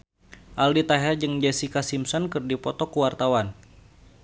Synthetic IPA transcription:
ʔaldit̪aɦɛrd͡ʒɨŋd͡ʒɛsikasimsɔnkɨrdipɔt̪ɔkuwart̪awan

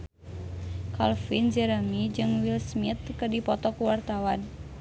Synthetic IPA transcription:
kalfind͡ʒɛɾamid͡ʒɨŋwilsmit̪̚kɨdipɔt̪ɔkuwart̪awan

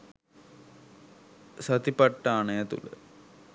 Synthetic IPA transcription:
sɐt̪ipɐʈːaːɳɐjɐt̪ṵlɐ̰

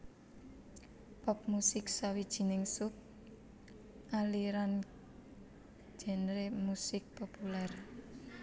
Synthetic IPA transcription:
pɔp̚musɪk̚sawid̥ʒ̥i̤nɪŋsʊp̚ | ʔaliɾan | d͡ʒ̥ɛ̤nɾemusɪk̚popular

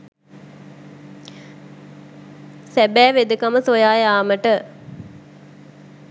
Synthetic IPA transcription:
sæbæːʋed̪əkaməsojaːjaːməʈə

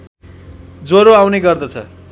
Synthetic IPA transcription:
d͡zoɾoawneɡʌrd̪ʌt͡sʰʌ̰

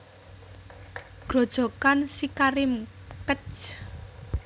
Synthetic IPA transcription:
ɡ̥ɾo̤d̥ʒ̥ɔ̤kansikaɾɪmkət͡ʃ

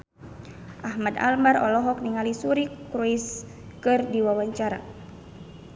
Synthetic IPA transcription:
ʔahmada̰lmarɔlɔɦɔk̚niŋalisuɾikɾuis | kɨrdiwawaɲt͡ʃaɾa

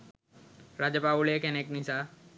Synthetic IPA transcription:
ɾad͡ʑjəpabulekeneknisa

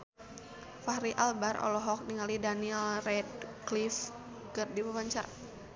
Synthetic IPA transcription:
faɾiʔalbaɾɔ̰lɔɦɔk̚niŋalidaniɛlrɛdklif | kərdipəwaɲt͡ʃaɾa

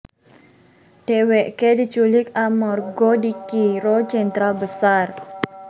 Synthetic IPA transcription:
d̥eweʔkedit͡ʃulɪkamɔrɡodikiɾod͡ʒɛnt̪ɾalbəsar

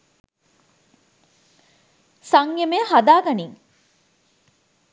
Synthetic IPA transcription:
saŋjemeɦad̪aːɡɐniŋ

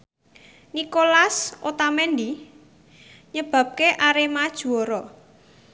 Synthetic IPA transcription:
nikolasʔot̪amɛnd̪i | ɲəb̥ä̤p̚keʔaɾemad̥ʒ̥uɔɾɔ

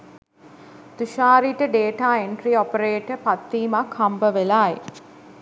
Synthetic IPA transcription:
t̪uʃaːɾiʈəɖeːʈaːeɳʈɾiɔpəɾeːʈəpat̪ːiːmakhambəʋelaːj

